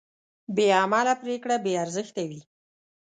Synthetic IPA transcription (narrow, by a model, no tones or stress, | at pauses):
beamalapɾekɽabeaɾzəxt̪awi